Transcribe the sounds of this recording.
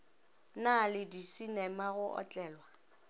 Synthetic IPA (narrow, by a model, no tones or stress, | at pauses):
nalɪdisinɛmaɣʊʔɔ̰t͡ɬʼɛːlwa